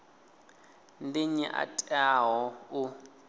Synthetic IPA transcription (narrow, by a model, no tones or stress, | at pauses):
ndiɲɛʔa̰tʼaɦɔʊ